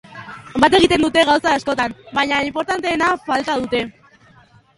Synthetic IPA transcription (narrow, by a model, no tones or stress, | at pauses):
bat̪e̞ɣit̪e̞nd̪ut̪e̞ɣawsaesko̞t̪ambajɲaimpo̞ɾt̪ant̪e̞ːnafalt̪að̞ut̪e̞